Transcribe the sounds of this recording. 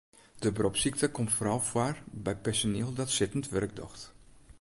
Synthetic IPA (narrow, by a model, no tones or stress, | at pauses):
d̥əbrɔpsik̚təkɔmtfrɔwfwarbɛjpɛɹsoneːlˠdɔtsɪtən̩tʋœrɡ̚dɔ̰xt